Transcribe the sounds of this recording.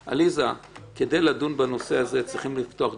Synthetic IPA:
ʔa̰lizaked̪ejladunbano̞se̞aze̞t͡sʁiχimlift̪oaχ

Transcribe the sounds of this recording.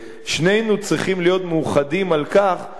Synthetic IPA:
ʃne̞jnut͡sʁiχimlijo̞t̪meuχad̪imalkaχ

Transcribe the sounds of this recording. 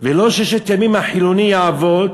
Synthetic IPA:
veloʃeʃet̪emimhaħilunijaavod̪

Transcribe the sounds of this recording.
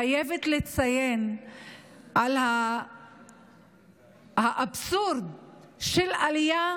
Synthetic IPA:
ajevet̪let͡sajen | ʔalha | haʔabsuɾd̪ | ʃelalija

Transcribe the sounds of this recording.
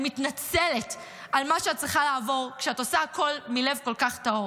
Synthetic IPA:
mitnat͡sele̞t | ʔalmaʃeat̚t͡sʁiχalaːvo̞ʁkʃeatosaːkʰo̞lmile̞vko̞lkaχtao

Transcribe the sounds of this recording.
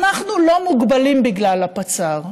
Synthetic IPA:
naχnulo̞muɡbalimbiɡlalapat͡saʁ

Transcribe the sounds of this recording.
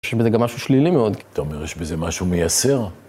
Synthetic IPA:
ʃjeʃbezeɡamːaʃuʃlilimeo̞d̪t̪aomeʁjeʃbezemaʃumejase̞ʁ

